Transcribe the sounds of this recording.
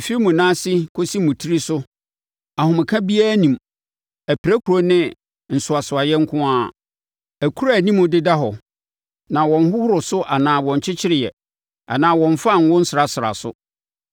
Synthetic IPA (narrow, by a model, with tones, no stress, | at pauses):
fi˦mũ˨nãː˦sɪ˦kʰo˦si˦mũ˨tʰi˦ɾi˦sʊ˦ | a˨hʊ̃˨mɪ̃˨kʰã˦bi˦a˦nĩ˨m | æ˨pʰɾæ˦kʰu˨ɾo˨˦nɪ̃˦ | n̩˨sʊ˨a˨sʊ˨a˨jɛ˦ŋ̩˦kʰʊ̃˦aː˦˨ | æ˨kʰu˦ɾa˦˨nĩ˦mʊ̃˦dɪ˦da˦ɦɔ˨ | nã˨wɔ̃˨n˦ɦʊ˦hʊ˦ɾʊ˨sʊ˦ʔa˨nãː˨wɔ̃˨ɲ˨t͡ɕʰɪ˦t͡ɕʰɪ˦ɾɪ˨jɛ̰˨ | a̰˨nãː˨wɔ̃˨ɱ˨fa˦˨ŋ̩˦wʊ̃˦n̩˦sɪ˨ɾa˨sɪ˨ɾa̰˨sʊ̰˦